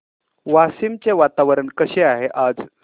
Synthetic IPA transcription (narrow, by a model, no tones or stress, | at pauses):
ʋasimt͡seʋat̪aʋəɾəɳkəɕeaɦeʔad͡z